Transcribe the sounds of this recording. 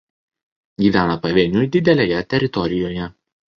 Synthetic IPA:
ɡʲiːʋʲæːnɐpɐʋʲeːnʲʊd̪ʲɪd̪ʲɛlʲeːjɛt̪ʲɛɾʲɪt̪ɔɾʲɪjoːjɛ

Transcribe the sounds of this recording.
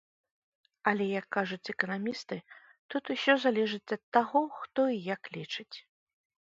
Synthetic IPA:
ɐlʲɛjɐkːaʐut͡sʲɛkɐnamʲist̪ɨ | t̪ut̪usʲɔzalʲɛʐɨt͡sʲɐt̪ːaɣɔxt̪ɔijaklʲit͡ʂɨt͡sʲ

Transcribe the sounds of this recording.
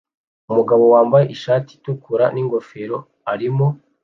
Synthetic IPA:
umuɡaβo̞waːmbaje̞ʔiʃaːti̥tukuɾaniŋɡo̞feɾo̞ | aɾimo̞

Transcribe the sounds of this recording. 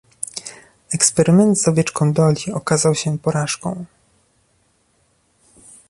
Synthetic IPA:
ɛkspɛɾɘmɛnt̪zɔvʲjɛt͡ʂkɔ̃w̃d̪ɔlʲiɔkazawɕɛpɔɾaʂkɔ̰̃w̃

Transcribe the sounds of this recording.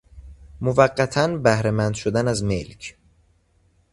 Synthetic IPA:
movæɢːæt̪ʰænbæhɾe̞mænd̪ʃod̪ænæzme̞lcʰ

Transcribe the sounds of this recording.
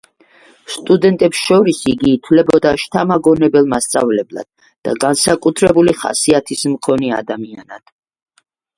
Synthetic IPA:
st̪ʼud̪ɛnt̪ʼɛpsʃɔɾisiɡiːt̪ʰwlɛbɔd̪aʃt̪ʰamaɡɔnɛbɛlˠmast̪sʼa̰vlɛblˠa̰d̪̥̚ːa̰ɡansakʼut̪ʰɾɛbuliχa̰siat̪ʰismkʰɔnia̰d̪amia̰nad̪̥

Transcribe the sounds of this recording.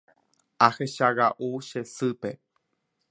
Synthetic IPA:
aheʃaɣaʔuʃesɨpe̞

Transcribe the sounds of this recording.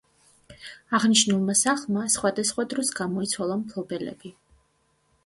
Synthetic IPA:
aʁniʃnulˠmasaχlˠmasχwad̪asχwad̪ɾɔsɡamɔit̪sʰwalˠampʰlˠɔbɛlɛ̰b̥i

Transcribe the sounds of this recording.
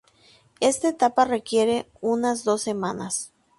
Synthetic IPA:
est̪aet̪apare̞kje̞ɾe̞ | unazðo̞sːe̞mãnas

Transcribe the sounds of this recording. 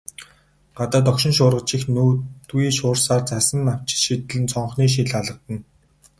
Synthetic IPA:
ɢat̪aːt̪̬ɔkʃɪ̆nʃʊːrʁə̆t͡ɕĭxnuːt̪uiːʃʊːrsaːrt͡sʰasə̆nːaw̥t͡ɕɪ̥ɮʃit̪ɘ̆ɮɘ̆nt͡sʰɔɴχniːʃ̬iɮaɮə̆t̪ə̆n

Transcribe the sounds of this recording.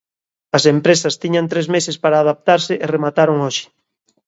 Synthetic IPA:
ɐsempɾesɐst̪iɲant̪ɾezmesɪspaɾaːðap̚t̪aɾsɪʔeremat̪aɾoŋoʃɪ̥

